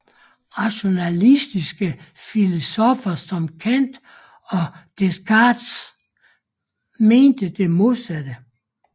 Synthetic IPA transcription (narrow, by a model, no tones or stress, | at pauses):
ʁɑ̈ɕo̝nælisd̥isɡ̥əfilosɔfɐsɒ̽mkʰæn̰d̥ | ɒ̽d̥eskʰɑd̥s | me̝ːnd̥əd̥e̝mo̝ðˠsæd̥ə